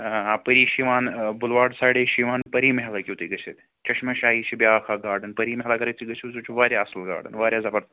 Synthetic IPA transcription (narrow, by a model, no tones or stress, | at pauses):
apəɾiːʃiʋaːnbʊlʋaːɖsaːɽeːʃiːʋaːnpɐɾiːmɐɦlakʲut̪iɡɐt͡ʃʰit̪ | t͡ʃɐʃmɐʃaːiːt͡ʃʰibʲjaːxʰaːɡaːɾɖɐnpɐɾiːmɐɦlakɐɾɐt̪ʰiɡɐt͡ʃʰizut͡ʃʰuʋaːɾʲjaːɐslɡa̰ːɖɐ̰nʋaːɾʲjaːzɐbɐɾ